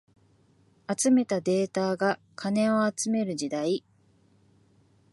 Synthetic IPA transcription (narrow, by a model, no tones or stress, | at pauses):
at͡sɨme̞t̪ad̪e̞ːt̪aːɡa | kʰanẽ̞o̞at͡sɨme̞ɾɯ̟ʑid̪ai